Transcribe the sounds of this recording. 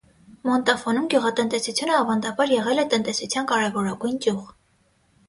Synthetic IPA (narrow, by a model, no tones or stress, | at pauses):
mɔnt̪ɑfɔnumɡjuʁɑt̪ənt̪ɛsut͡sʰjunəɑvɑnd̪ɑbɑɾjɛʁɛlɛt̪ənt̪ɛsut͡sʰjɑnkɑɾɛvɔɾɑɡujnkjuʁ